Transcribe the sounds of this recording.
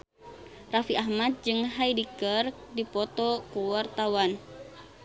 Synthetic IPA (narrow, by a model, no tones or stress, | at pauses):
rafiʔaɦmat̪̚d͡ʒɨŋɦaidikərdipɔt̪ɔkuwart̪awan